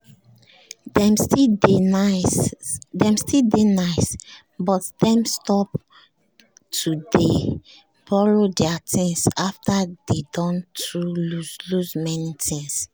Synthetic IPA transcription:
dɛ̃msidesdɛ̃mstildenaɪs | bɔtd̥ɛ̃mstɔp | tʰude | b̥ɔlodɛatʰĩŋsaftadedɔ̃ntɹuluzluzmɛnitʰĩŋs

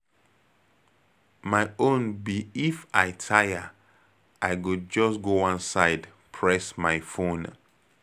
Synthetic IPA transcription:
maɪõnbiifaɪtʰajə | aɪɡud͡ʒɔsɡoãnsaɪd | pʰɹɛsmaɪfõn

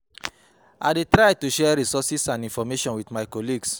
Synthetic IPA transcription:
a̰detɹajtuʃɛɹisɔsisãnĩnfɔmeʃɔ̃nwidmaɪkɔliɡs

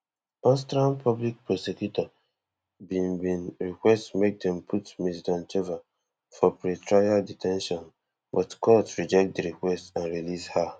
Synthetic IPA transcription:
ɔ̃ns̬tɹãnpʰɔblik̚pɹɔsekjutɔ | bĩnbĩnɹikwɛstmek̚dɛ̃mpʰutmisdɔ̃nt͡ʃeva | fɔpɹetɹajaditʰɛ̃nʃɔ̃n | bɔtkɔtɹid͡ʒɛk̚t̚diɹikwɛstãnɹilisha

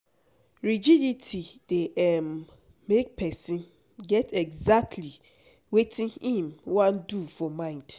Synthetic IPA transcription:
ɹid͡ʒiditʰid̥eʔɛmː | ek̚pʰɛsĩn | ɡɛtɛɡzak̚tʰli | wetʰĩnhĩmwãndufɔmãɪ̃nd̥

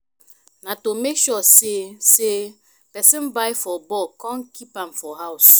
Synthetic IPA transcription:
nãtomekʃɔsese | pɛsɪ̃mbaifɔbɔkɔ̃ŋkipãmfɔɦaws

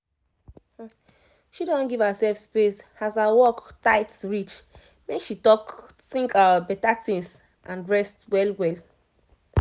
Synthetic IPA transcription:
ʃidɔ̃nɡivəsɛlfspesazawɔktaɪtɹit͡ʃ | mekʃitɔk | tĩŋkabɛtatĩŋs | ʔãnɹɛstwɛlwɛl

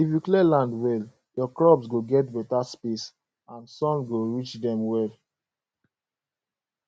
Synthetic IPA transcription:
ifjuklɛlãndwɛl | jɔklɔbsɡoɡɛt̚bɛtaspis | ãnsɔ̃nɡoɹit͡ʃdɛ̃mwɛl

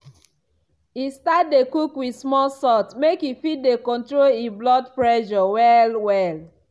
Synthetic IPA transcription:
istat̚dekukwismɔlsɔtmekifit̚dekɔ̃ntɹoliblɔdpɹɛʃɔwɛlwɛl

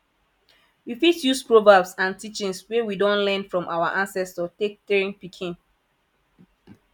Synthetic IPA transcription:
wifitjuspɹɔvabsãntit͡ʃĩŋswewidõnlɛ̃nfɹɔ̃mʔawaʔãnsɛstɔtek̚tɛɹĩnpikʰĩn

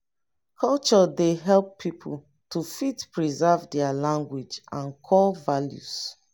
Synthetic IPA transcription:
kʰɔlt͡ʃɔdeɦɛlˠpːʰipʰul̩ | tʰufitpɹizɛvdɛalãŋɡwid͡ʒʔãnkʰɔlvaljṵs

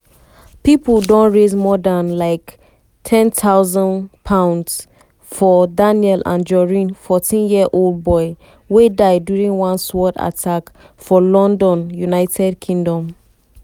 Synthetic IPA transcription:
pipəldɔ̃nɹezmɔdãnlaɪk | tʰɛ̃ntʰaʊzə̃npʰãʊ̃nds | fɔdanjɛlʔã̰nd͡ʒɔɹĩnfɔtĩnjiəʔolˠd̚bɔɪ | wedaɪdjuɹĩŋwãnswɔda̰tʰak | fɔlɔ̃ndɔ̃njunaɪtʰɛd̚kʰĩŋdɔ̃m

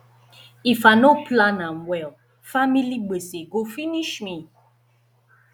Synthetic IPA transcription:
ifanoplãnãnwɛl | familiɡ͡beseɡofiniʃmi

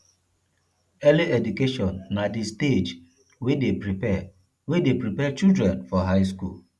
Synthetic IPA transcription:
ɛliɛdukeʃɔ̃nːadisted͡ʒ | wedepɾiɛ | wedepɾipɛt͡ʃildɾɛ̃nfɔɦaɪskṵl

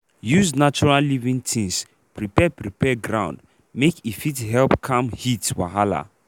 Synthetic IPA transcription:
juznat͡ʃuɹalivĩŋtʰĩŋs | pɹipɛpɹipɛɡɹãʊ̃nd | mekifithɛlpkʰãmhitwa̰ɦala̰

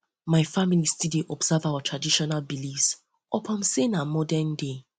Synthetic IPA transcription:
maɪfamilistideʔɔbz̥avawatʰɹadiʃɔnalbilis | ɔpʰãmsenamɔdɛnde

